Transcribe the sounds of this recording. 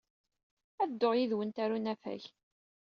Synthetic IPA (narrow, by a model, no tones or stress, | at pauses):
æd̪ːoʁjiðwənt̪æɾunæfæ̰ç